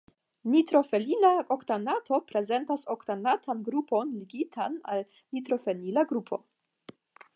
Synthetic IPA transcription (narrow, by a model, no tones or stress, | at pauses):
nitɾo̞fe̞linaoktanatʰo̞pɾe̞ze̞ntasoktanatʰanɡɾupo̞nliɡitʰana̰l | nitɾo̞fe̞linaɡɾupʰo̞̰